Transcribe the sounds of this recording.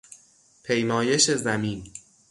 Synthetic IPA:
pʰe̞jmɒːje̞ʃezæmiːn

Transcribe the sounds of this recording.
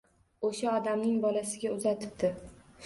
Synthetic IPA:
oʃaɒd̪amnɪŋbɒlasɪɡʲaʊzat̪ʰɪ̥p̚d̪ɪ

